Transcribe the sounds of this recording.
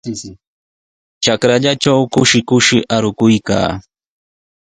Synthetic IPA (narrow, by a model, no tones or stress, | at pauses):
t͡ʃakɾaʎaʈ͡ʂawkʊʃɪkʊʃɪʔaɾʊkʊjka̰ː